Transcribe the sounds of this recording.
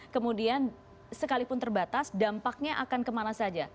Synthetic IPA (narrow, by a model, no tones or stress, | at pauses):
kəmudian | səkalipʊnt̪ərbat̪asdampak̚ɲaʔakankəmanasad͡ʒa